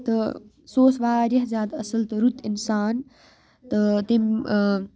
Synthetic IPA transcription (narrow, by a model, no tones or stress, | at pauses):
t̪ə | soːsʋaːɾɐɦzʲjaːd̪ɐsɐlt̪əɾut̪insaːn | t̪ət̪im